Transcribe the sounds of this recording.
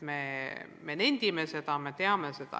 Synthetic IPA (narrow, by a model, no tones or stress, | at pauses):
memenenʲd̪̥ʲimese̞d̪̥ɑme̞t̪e̞ɑmesed̪ɑ̰